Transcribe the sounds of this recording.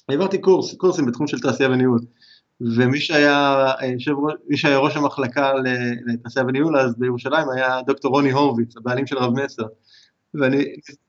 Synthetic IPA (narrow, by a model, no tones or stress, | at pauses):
evaʁt̪ikuʁskuʁsimbet̪χumʃelt̪aːsiaveniul | ve̞miʃeajajʃevʁomiʃeajaʁo̞ʃamaχlakalelet̪aːsiaveniulazbejeʁuʃalaimajad̪o̞kto̞ʁo̞niɦo̞ʁvit͡sabealimʃe̞lʁavmeseʁ | veaniniz